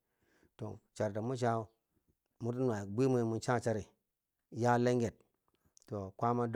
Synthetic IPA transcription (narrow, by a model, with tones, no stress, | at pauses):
to̰˨t͡ʃa˨ɾta˨mu˦t͡ʃ̬a˦ | mu˦t̬i˦n˦˨a˨bʷi˦mu˦mu˨nt͡ʃa˦t͡ʃa˦ɾi˨ | ja˦le˦ŋɡe˨t̚ | to˨kʷa˦ma˦d